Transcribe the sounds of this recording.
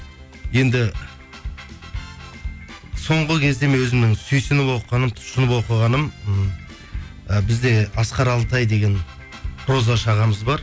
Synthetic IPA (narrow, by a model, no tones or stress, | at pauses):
je̞nd̪ɪ | so̞ɴʁəkʲʰe̞zd̪e̞menwɵzɪmnɪŋsʏjsɪnɪpo̞qəʁɑnəmt̪ʰʊ̥ʃənəpo̞qəʁɑnəm | bɪzd̪e̞ɑsqɑɾɑlˠt̪ɑjd̪e̞ɡʲe̞n | ɾo̞zɑʃɑʁɑməzbɑɾ